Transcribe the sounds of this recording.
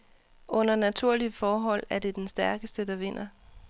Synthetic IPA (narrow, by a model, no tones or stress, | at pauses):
ʔɔ̽n̰ɐnæt͡sʰuɐ̰liəfɒːɦɒ̽l̰æɐd̥e̝d̥ensd̥æɐɡ̥əsd̥əd̥ɑ̈ʋe̝n̰ɐ